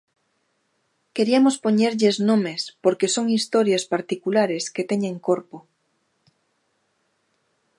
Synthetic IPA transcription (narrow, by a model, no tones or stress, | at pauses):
keɾiamospoɲeɾʎeznõmespoɾkesoŋist̪oɾjaspaɾt̪ikulaɾesket̪eɲẽŋkoɾpo